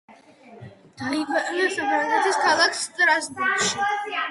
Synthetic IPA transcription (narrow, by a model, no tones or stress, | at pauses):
d̪̥aibaiasɛbɛnɛt̪ʰiskʰalˠakʰst̪ʼɾasbuɾt̪ʃi